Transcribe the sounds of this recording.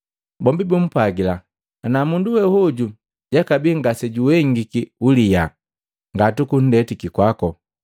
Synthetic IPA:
bɔmbibum̩pwaɡila | anamunduwɛhuɟu | ɟakabiŋɡasɛɟuwɛŋɡikiulija | ŋɡatukun̩dɛtikikwakɔ

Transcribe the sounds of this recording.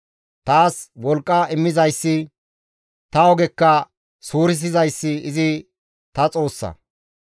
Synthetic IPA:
t̪aːswɔlkʼːɐɪmːɪzɐjsːɪ | t̪ɐɔɡɛkːɐ | suːɾɪs̬ɪzɐjsːɪɪzɪ | t̪ɐt͡sʼo̞ːsːɐ̰

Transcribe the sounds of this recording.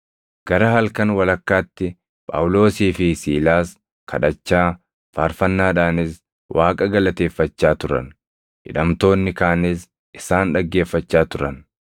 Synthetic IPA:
ɡ̥ɐɾɐhɐlkɐnwɐlɐkːaːt̪ːɪ | pʼɐ̰wlo̞ːsiːfɪsiːlaːs | kʰɐ̰ᶑɐt͡ʃːaː | faːɾfɐnːaːᶑaːnɪs | wʔaːkʼɐɡɐlɐt̪e̞ːfːɐt͡ʃːaːt̪ʊɾɐ̰n | hɪ̰ᶑɐmt̪o̞ːnːɪkaːnɪs | ɪsaːnᶑɐɡːe̞ːfːɐt͡ʃːaːt̪ʊɾɐn

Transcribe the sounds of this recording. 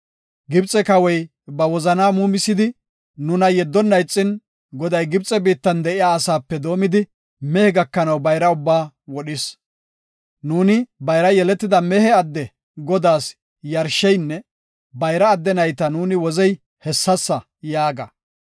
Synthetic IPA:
ɡɪbt͡sʼːɛkɐwɛj | bɐwɔzɐnaːmuːmɪsːɪd̪ɪ | nʊnɐjɛd̪ːɔnːɐjt͡sʼːɪn | ɡɔd̪ɐjɡɪbt͡sʼɛbiːt̪ːɐnd̪ɛʔɪjaːsaːpːɛd̪o̞ːmɪd̪ɪ | mɛhɛɡɐkːɐnɐwbɐjɾɐʊbːaː | wɔɗɪs | nuːnɪbɐjɾɐjɛlɛt̪ːɪd̪ɐmɛhɛɐd̪ːɛ | ɡɔd̪aːs | jɐɾʃːɛjnːɛ | bɐjɾɐːd̪ːɛnɐjt̪ɐnuːnɪwɔzɛj | hɛsːɐsːɐ | jaːɡɐ

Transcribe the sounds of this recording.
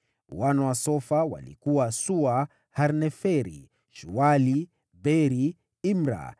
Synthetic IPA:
wanawasɔfawa̰lḭkuwasua | haɾnɛfɛɾḭ | ʃuwali | bɛɾi | imɾa̰

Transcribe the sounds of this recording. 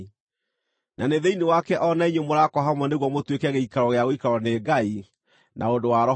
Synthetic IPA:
nʔaneðeinewakɛʔɔnaiɲemoɾakɔɦamwɛneɣwɔmotwekɛɣeikaɾɔɣeaɣoikaɾɔneɡai | nʔa̰ondowaɾɔ

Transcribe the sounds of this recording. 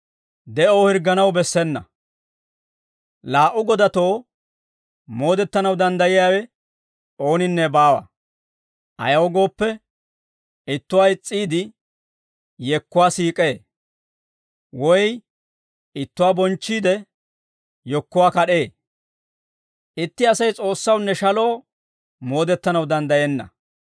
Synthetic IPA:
d̪ɛʔoːhɪɾɡːɐnɐwbɛsːɛnːɐ̰ | laːʔʊɡɔd̪ɐt̪o̞ː | mo̞ːd̪ɛt̪ːɐnɐwd̪ɐnd̪ɐjɪjaːwɛ | oːnɪnːɛbaːwɐ̰ | ʔɐ̰jɐwɡo̞ːpːɛ | ɪt̪ːʊwaːjɪt͡sʼːiːd̪ɪ | jɛkːʊwaːsiːkʼe̞ː | wɔj | ɪt̪ːʊwaːbɔnt͡ʃːiːd̪ɛ | jɔkːʊwaːkɐɗe̞ː | ʔɪt̪ːɪɐsɐjt͡sʼo̞ːsːɐwnːɛʃɐlo̞ː | mo̞ːd̪ɛt̪ːɐnɐwd̪ɐnd̪ɐjeːnːɐ̰

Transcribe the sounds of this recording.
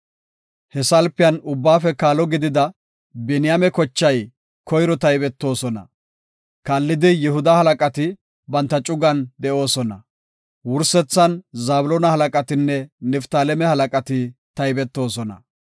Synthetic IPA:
hɛsɐlpɪjɐnʊbːaːfɛkaːlɔɡɪd̪ɪd̪ɐ | bɛnɪjɐmɛkɔt͡ʃːɐj | kɔjɾɔt̪ɐjbɛt̪ːo̞ːsɔnɐ̰ | kaːlːɪd̪ɪjɛhʊd̪ɐhɐlɐkʼɐt̪ɪ | bɐnt̪ːɐt͡ʃʼʊɡɐnd̪ɛʔo̞ːsɔnɐ | wʊɾsɛt͡sːɐnzaːbʊlɔːnɐhɐlɐkʼɐt̪ɪnːɛnɛft̪aːlɛmɛhɐlɐkʼɐt̪ɪt̪ɐjbɛt̪ːo̞ːsɔnɐ̰

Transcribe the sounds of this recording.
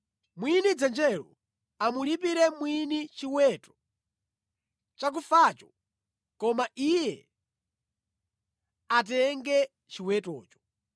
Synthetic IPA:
mwinid͡zɛnd͡ʒɛlɔ̰ | amulipiɾɛmwinit͡ʃiwɛtɔ̥ | t͡ʃak̬ufat͡ʃɔ | kɔmaʔijɛ | at̬ɛŋɡɛ | t͡ʃiwɛtɔːt͡ʃɔ̥

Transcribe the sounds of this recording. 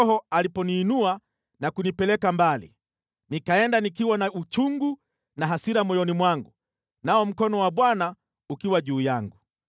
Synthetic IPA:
hɔalipɔniːnua | nakunipɛlɛkambalḭ | nikaɛndanikiwanaut͡ʃuŋɡu | naɦasiɾamɔjɔnimwaŋɡu | naɔm̩kɔnɔwaɓwana | ukiwaʄuːjaŋɡu

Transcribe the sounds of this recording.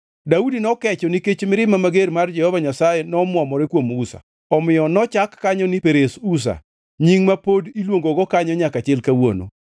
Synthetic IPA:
daudinɔkɛt͡ʃɔniket͡ʃmɪɾɪmamaɡeɾmard͡ʒɛhɔvaɲasajɛnɔmwɔmɔɾɛkwomusa̰ | ɔmɪjɔnɔt͡ʃakːaɲɔnipeɾesus̬a̰ | ɲiŋmapodilwoŋɡoɡɔkaɲɔɲakat͡ʃɛlkawo̰no̰

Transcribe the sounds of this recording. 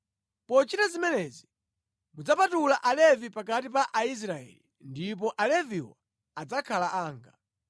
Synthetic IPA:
pɔt͡ʃitazimɛnɛzi | mud͡zapatulaʔalɛvipak̬atip̬aʔais̬ɾaɛ̰li | ndip̬ɔʔalɛviwa | ad͡zakʰalaʔaːŋɡa

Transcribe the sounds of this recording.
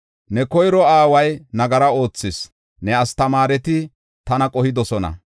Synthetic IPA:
nɛkɔjɾɔaːwɐjnɐɡɐɾɐo̞ːt͡sːɪs | nɛɐst̪ɐmaːɾɛt̪ɪ | t̪ɐnɐkʼɔhɪd̪ɔsɔnɐ̰

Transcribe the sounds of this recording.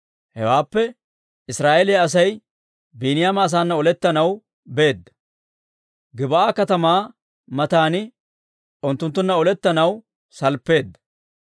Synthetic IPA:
hɛ̰waːpːɛ | ʔɪsɾaːʔelɪjɐːs̬ɐj | biːnɪjaːmɐːs̬aːnːɐɔlɛt̪ːɐnɐw | be̞ːd̪ːɐ̥ | ɡɪbɐʔaːkɐt̪ɐmaː | mɐt̪aːnɪ | ʊnt̪ːʊnt̪ːʊnːɐɔlɛt̪ːɐnɐw | sɐlpːe̞ːd̪ːɐ̥

